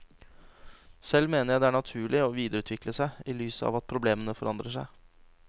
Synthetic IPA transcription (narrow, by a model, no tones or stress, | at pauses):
sɛlːmeːnəɾjæɪd̪ɛæːɳɑt̪ʰʉːɭɪɔʋiːd̪əɾʉːt̪ʰʋɪkləsæɪiːlyːsəɑ̰ːʋɑt̪̚pʰɾʊbleːmənəfɔɾɑnd̪ɾəʂæɪ